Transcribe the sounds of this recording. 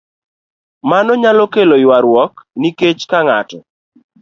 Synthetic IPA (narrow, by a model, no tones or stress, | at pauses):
manɔɲalɔkelojwaɾwɔkniket͡ʃkaŋatɔ